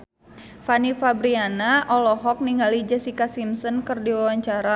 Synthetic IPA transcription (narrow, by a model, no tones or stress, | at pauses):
fanifabɾianaʔɔlɔɦɔk̚niŋɡalid͡ʒɛsikasimsɔnkɨrdiwawaɲt͡ʃaɾa